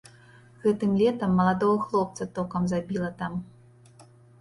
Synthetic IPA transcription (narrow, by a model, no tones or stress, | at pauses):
ɣɛt̪ɨmlʲɛt̪ɐmːɐlˠad̪ɔɣɐxlˠɔp̚t̪sɐt̪ɔkɐmzabʲilˠɐt̪am